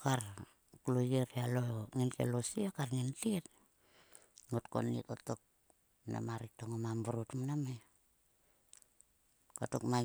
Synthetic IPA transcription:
kar | kulojeɾialooŋinta̰losiakarŋintit | ŋotko̰nḭtotok̚ | na̰maɾik̚toŋomambuɾutmaname | koto̰kma

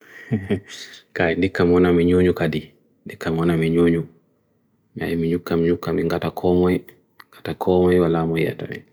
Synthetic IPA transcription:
kaindikːamɔnamiɲuɲukadi | ndikːamɔnamiɲoːɲu | mia̰jimiɲukːamiɲukːamiŋɡatakʰɔmɔj | ŋɡatakʰɔmɔjwalamɔjja̰ta̰ɛ̰

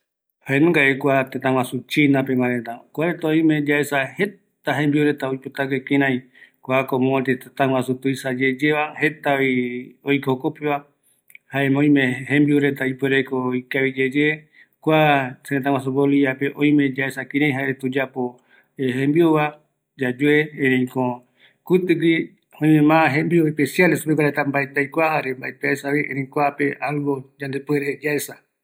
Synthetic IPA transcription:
haenũŋɡaekʷat̪et̪ãw̃ãsut͡ʃinãpemãɾet̪akʷaɾet̪aoj̃mẽd͡ʒaesahet̪aɦẽmbiuɾet̪aojpot̪ak̬ekĩɾ̃ãĩ | kʷakomõãt̪et̪et̪ãw̃ãsut̪uisad͡ʒed͡ʒeβahe̞t̪aiojkookopeβa | haemõj̃mẽɦẽmbiuɾet̪aipweɾekoikaβid͡ʒed͡ʒe | kʷaseet̪ãwas̬oboliapeʔõj̃mẽ̞d͡ʒaesakĩɾ̃ẽj̃ɦaeɾet̪ud͡ʒapo | ehẽmbioβa | d͡ʒad͡ʒueẽɾẽĩkõ | kut̪ɨɡi | õj̃mẽmãɦẽmbioepesjalesupek̬aɾet̪ambaet̪ajkʷahaɾembaet̪aesaβiʔẽɾẽj̃kʷapeʔalɡod͡ʒãnd̪epweɾed͡ʒaesa

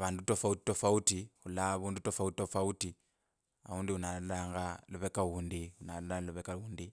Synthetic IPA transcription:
βaːndutofauti̥tofautixulaβuːndutofautitofauti | a̰uːndiunallaːŋɡaloβekauːndiunalalaloβekauːndi

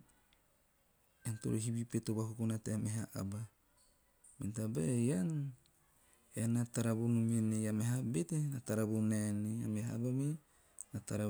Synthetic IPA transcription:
eanto̰ɾoɦibipetobakukunateameɦaʔa̰ba | mḛntabajan | eanataɾabonumenejameɦabetenataɾabonenia̰meɦabame | nataɾa

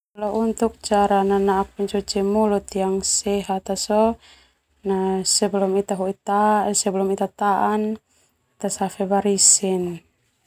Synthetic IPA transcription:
lɔʔunt̪uk̚t͡ʃaɾananaːk̚pɛɲt͡ʃɔt͡ʃɛmulut̪ijaŋsɛɦat̪asɔ | nasɛbɛlɔmit̪aɦuit̪asɛbɛlɔmit̪at̪aʔan | t̪asafɛbaɾisin

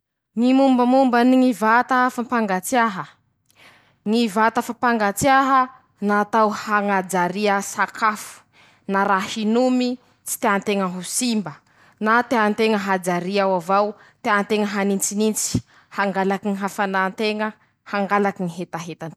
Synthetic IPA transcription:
ŋimumbəmumbəniŋivat̪aafampaŋɡat͡siaɦə | ŋivat̪afampaŋɡat͡sjaɦə | nat̪awhaŋad͡zaɾiəsakafu̥ | naɾahinumi | t͡si̥t̪eant̪eŋəɦusimbə | nat̪eant̪eŋəɦad͡zaɾiawavaw | t̪eant̪eŋəɦanint͡sinint͡si̥ | haŋɡalakiŋiɦafanant̪eŋə | haŋɡalakiŋiɦet̪aɦet̪an

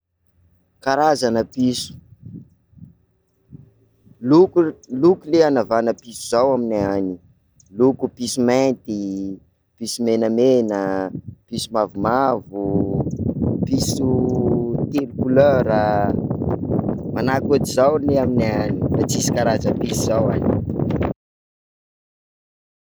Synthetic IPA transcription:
kaɾazanəpisu̥ | luklukuleanavanəpisuzawamineani | lukupisumaent̪i | pisumenəmenəpisumavumavu | pisu | t̪iɾikuløɾə | manakuʈ͡ʂizawleamineanirat͡sisi̥kaɾazəpisizawani̥

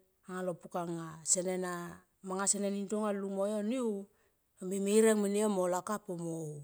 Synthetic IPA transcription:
aŋalopukaŋasenena | maŋasenenintoŋalumojoniu | amimiɾeŋminiamolakapomo

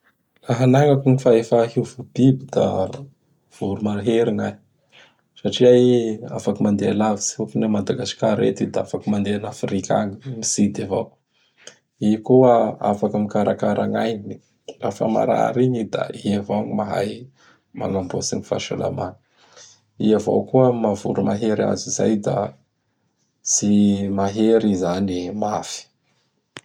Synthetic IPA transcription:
laɦanaŋakunifaefəhivab̥ibid̪a̰ | v̥uɾumalaɦeɾiŋa | saʈ͡ʂiaafakəmand̪ealavisiukinamad̪aɡasi̥kaɾḛt̪id̪aafakəmand̪eanafɾika̰ŋimisid̪ava̰ | ikuaafakəmikaɾakaɾaŋajnii | rafə̰ma̰ɾa̰ɾiɲid̪a̰iavoŋimaɦa̰j | ma̰lambosiŋifa̰ɾʃa̰la̰man | iavo̰wkuəmavuɾumaɦeɾa̰ziza̰jd̪a̰ | simaɦeɾizanimafi̥

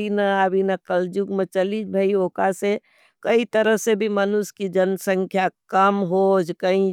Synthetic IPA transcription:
inaabʱinakəld͡ʒuɡmə̃t͡ʃəlid͡ʒbʱaioːkase | kəit̪əɾəɦsebʱimənʊskid͡ʒɐnsə̃ŋkʰjakəmɦod͡ʒkəĩ

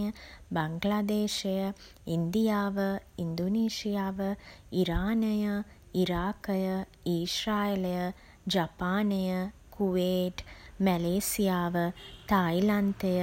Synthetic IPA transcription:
jəbaŋɡlad̪eːʃejə | ind̪ijaːʋəind̪oneːʃijaːʋəiɾaːnəjə | iɾaːkəjə | iːʃɾaːelejə | d͡ʒapaːnejəkʰuʋeːʈmɛleːsijaːʋət̪ailant̪ejə

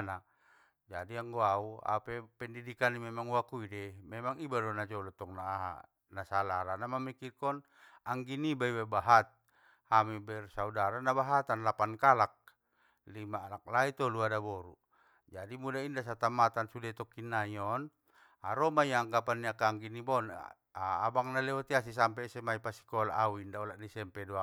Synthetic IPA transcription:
na | d͡ʒadiaŋɡɔaua̰pɛpɛndidikanːimɛmaŋwakuidɛmɛmaŋibadɔnad͡ʒɔlɔt̪ɔŋnaːɦa̰ | nasalaɾanamamikirkɔn | aŋɡinibaiwabaɦat̪̚ | hamibɛrsaudaɾanabaɦat̪anlapankalak̚ | limaːlak̚lait̪ɔluadabɔɾu | d͡ʒadimudaindas̬at̪amat̪ansudɛt̪ɔkinːaijɔn | aɾɔmajaːŋɡapanːiakaːŋɡinibɔn | aa̰baŋnalɛɔt̪ias̬is̬ampɛsɛmaipasi̥kɔla̰ʔawindaɔlaʔnisɛmpɛdua

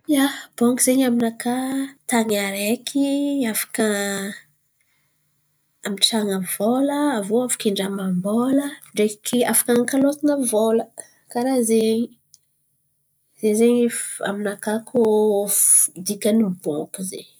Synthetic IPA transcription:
jab̥okizeɲaminakat̪aɲaɾekʰiafḁkə | amiʈ͡ʂaŋəvoləːvoafi̥kiɳɖ͡ʐamamboləɳɖ͡ʐekʰiafḁkaŋkalot̪anəvolə | kaɾazeɲi | zezeɲia̰minakakʰofd̪ikənimboŋkuzḛɲ

